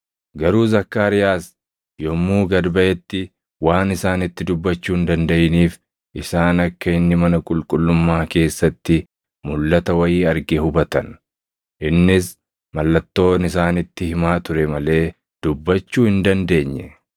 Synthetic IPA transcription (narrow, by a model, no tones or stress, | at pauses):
ɡɐɾuːzɐkːaːɾɪjaːs | jɔmːuːɡɐd̪bɐʔɛt̪ːɪ | waːnɪsaːnɪt̪ːɪd̪ʊbːɐt͡ʃːuːhɪnd̪ɐnd̪ɐʔɪniːf | ʔɪsaːnɐkːɐɪnːɪmɐnɐkʼʊlkʼʊlːʊmːaːke̞ːsːɐt̪ːɪ | mʊlːɐt̪ɐwɐjiːɐɾɡɛhʊbɐt̪ɐn | ʔɪnːɪs | mɐlːɐt̪ːo̞ːnɪsaːnɪt̪ːɪhɪmaːt̪ʊɾɛmɐle̞ː | d̪̥ʊbːɐt͡ʃːuːhɪnd̪ɐnd̪e̞ːɲːɛ